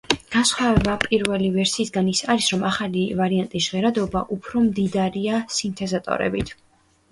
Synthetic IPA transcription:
ɡ̥ansχwavɛbapʼiɾvɛlivɛɾsiːsɡanisaɾisɾɔmaχalivaɾiant̪ʼisʁɛɾad̪ɔba̰ʔupʰɾɔmd̪id̪aɾiasint̪ʰɛzat̪ʼɔ̰ɾɛ̰bit̪ʰ

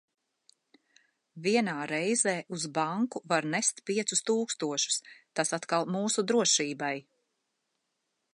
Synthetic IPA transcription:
viɛnaːɾɛjzɛːʔuzbaŋkuvaɾnɛst̪piɛt̪sust̪uːkst̪uɔʃu̥st̪asat̪kalˠmuːsud̪ɾuɔʃiːbaj

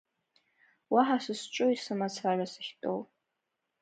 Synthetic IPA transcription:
waħasɨst͡ʃʷʼʊisɨmat͡sʰarasɨχʲtʼo̰w

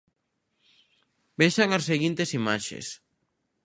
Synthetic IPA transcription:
beʃaŋasːeɣint̪esimaʃḛs

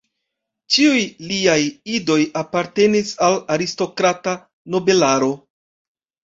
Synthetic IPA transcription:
t͡ʃiujliajido̞japaɾte̞nisalaɾisto̞kɾata | no̞be̞laɾo̞

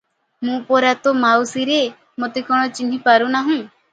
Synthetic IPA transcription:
mũpɔɾat̪ɔmawsiɾe | mot̪ikɔɽ̃ɔt͡ʃinɦipaɾunaɦũ

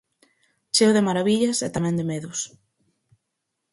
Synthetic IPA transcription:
t͡ʃewðemaɾaβiʎɐsɛt̪amɛ̃nd̪emeðʊs

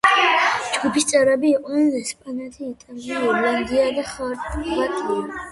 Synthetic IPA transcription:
d͡ʒɡupʰist̪sʼɛɾɛbiːqʼnɛnɛspʼanat̪ʰiːt̪ʼaliiɔɾland̪iad̪aχaɾt̪bat̪ʼlia

